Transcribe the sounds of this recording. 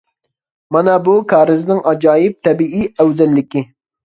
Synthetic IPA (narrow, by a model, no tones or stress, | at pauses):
mɑnɛbukʰɑːɾɪznɪŋɑd͡ʒɑːjɪp̚t̪ʰɛbiʔiæwzɛlːɪkʲi